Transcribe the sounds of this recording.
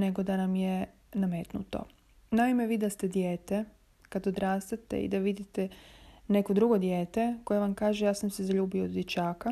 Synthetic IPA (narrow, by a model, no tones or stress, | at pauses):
ne̞ɡo̞d̪anamje | nameːt̪nṵt̪o̰ | naimeʋiːd̪ast̪e̞d̪jeːt̪e | kad̪od̪ɾaːst̪at̪ḛḭd̪aʋid̪it̪ene̞kod̪ɾuɡo̞d̪jeːt̪eko̞jeʋamkaːʒejaːsamsezaʎuːbiod̪d̪jet͡ɕaːka